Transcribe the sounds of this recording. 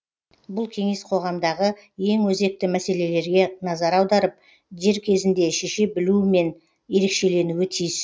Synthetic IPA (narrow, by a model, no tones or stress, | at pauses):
bʊlˠkʲʰe̞ŋe̞sqʰo̞ʁɑmd̪ɑʁəje̞ŋwɵze̞k̚t̪ɪmæse̞le̞le̞ɾɡʲe̞nɑzɑɾɑwd̪ɑɾəp̚ | ʒe̞ɾkʲʰe̞zɪnd̪e̞ʃe̞ʃe̞bɪlume̞n | je̞ɾe̞kʃe̞le̞nuwɪt̪ʰijz